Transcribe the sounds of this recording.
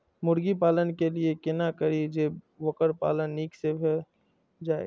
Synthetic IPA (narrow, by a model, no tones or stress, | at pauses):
mʊɾɡipaːlənkeliekɪnakəɾid͡ʒe | ʋəkəɾpa̰ːlənːiːksebʰʱe | d͡ʒaːḛ